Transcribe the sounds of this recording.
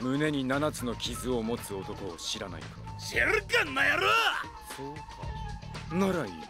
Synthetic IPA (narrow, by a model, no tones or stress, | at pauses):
mɯ̟ne̞ɲ̟inanat͡sɨno̞kʲizɨo̞mo̞t͡sɨo̞t̪o̞ko̞ːɕiɾana̰ḭt̪o̰ɕeɾɯkãnːajaɾɯ | sok | naɾaiː